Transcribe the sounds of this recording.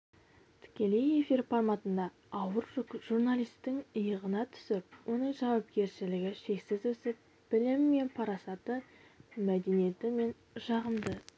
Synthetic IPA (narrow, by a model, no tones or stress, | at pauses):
t̪ʰɪ̥kʲe̞le̞je̞fiɾpʰɑrmɑt̪ənd̪ɑː | wəɾʒʊʒurnalijst̪ɪŋəjəʁənɑt̪ʰʏ̥sɪp̚wo̞nəŋʒɑwɑp̚kʲe̞ɾʃɪlɪɡʲɪʃe̞ksɪzwɵsɪp̚ | b̥ɪlɪmːe̞npʰɑɾɑsɑt̪əmæd̪e̞nije̞t̪ɪme̞n | ʒɑʁəmd̪ə